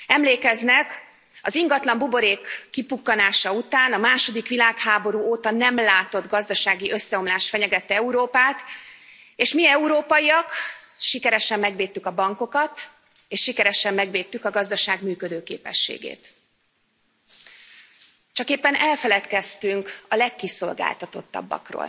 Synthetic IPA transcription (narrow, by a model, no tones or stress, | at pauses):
ɛmleːkɛznɛk | ɒziŋɡɒt̪lɒmbubo̞ɾeːkːipukːɒnaːʃɒut̪aːnɒmaːʃo̞d̪ikʋilaːkhaːbo̞ɾuːoːt̪ɒnɛmlaːt̪o̞d̪ɡɒzd̪ɒʃaːɡiʔø̞sːɛo̞mlaːʃt̪fɛɲɛɡɛt̪ːɛɛuɾoːpaːt̪ | eːʃmiɛuɾoːpɒjiɒkʃikɛɾɛʃɛmːɛɡʋeːt̪ːykɒbɒŋko̞kɒt̪ | eːʃʃikɛɾɛʃɛmːɛɡveːt̪ːykɒɡɒzd̪ɒʃaːɡmyːkød̪øːkḛːpɛ̰ʃːḛːɡḛːt̪ | t͡ʃɒkeːpːɛnɛlfɛlɛt̪kɛst̪yŋkɒlɛkːiso̞lɡa̰ːlt̪ɒt̪o̞̰t̪ːɒ̰bːɒ̰kro̰ːl